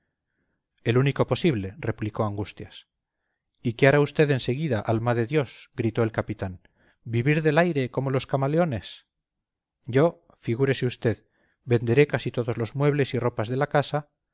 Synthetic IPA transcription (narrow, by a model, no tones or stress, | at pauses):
e̞luniko̞po̞siβle̞re̞pliko̞aŋɡust̪jas | ikeaɾaust̪e̞ðe̞nse̞ɣ̞iðaʔalmaðe̞ðjo̞sɡɾit̪o̞e̞lkapit̪an | biβiɾðe̞lajɾe̞ko̞mo̞lo̞skamaleo̞ne̞s | ɟ͡ʝo̞ | fiɣ̞uɾe̞seust̪e̞ð | be̞nd̪e̞ɾe̞kasit̪o̞ðo̞zlo̞zmwe̞βle̞siro̞pazðe̞lakasa